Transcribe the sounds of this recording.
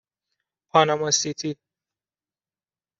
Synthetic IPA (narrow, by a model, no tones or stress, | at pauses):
pʰɒːnamɔsit̪ʰi